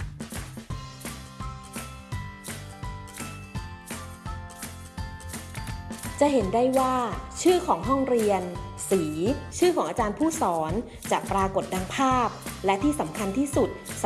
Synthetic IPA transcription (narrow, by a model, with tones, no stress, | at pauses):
t͡ɕa˨ʔɦe˩˦ndaː˥˩jwaː˥˩t͡ɕʰɯː˥˩kʰɔː˩˦ŋɦɔ˥˩ŋɾi˧ənsiː˩˦t͡ɕʰɯː˥˩kʰɔː˩˦ŋʔaː˧t͡ɕaː˧npʰuː˥˩sɔː˩˦n | t͡ɕaː˨˩k̚pɾaː˧ko˨˩t̪̚da˧ŋpʰaː˥˩p̚lɛ˦˥t̪ʰiː˥˩sa˩˦mkʰa˧nt̪ʰiː˥˩su˨˩t̪̚s